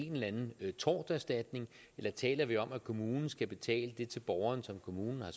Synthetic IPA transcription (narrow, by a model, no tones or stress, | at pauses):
enlænn̩t͡sʰɒ̰ːd̥æɐsd̥æd̥ne̝ŋ | elɐt͡sʰɛ̰ːlɐʋiɒ̽mækʰo̝muːnn̩sɡ̥æb̥e̝t͡sʰɛ̰ːləd̥e̝t͡sʰe̝lb̥ɒʊɐnsɒ̽mkʰo̝muːnn̩hɑ̈s